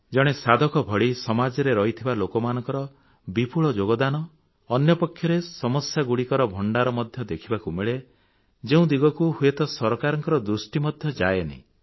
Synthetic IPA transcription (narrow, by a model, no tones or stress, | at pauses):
d͡ʒɔɽ̃esad̪ʱɔkɔbʱɔɽisɔmad͡ʒɔɾeɾɔɦit̪ʰibalokɔmanɔ̃ŋkɔɾɔ | bipuɭɔd͡ʒoɡɔd̪anɔː | njɔpɔkʰːjɔɾesɔmɔsjaɡuɽikɔɾɔbʱɔɳɖaɾɔmɔd̪ʱjɔd̪ekʰibakumeɭe | d͡ʒeũd̪iɡɔkuhuet̪ɔsɔɾɔkaɾɔŋkɔɾɔd̪ɾusʈimɔd̪ʱjɔd͡ʒajenḭ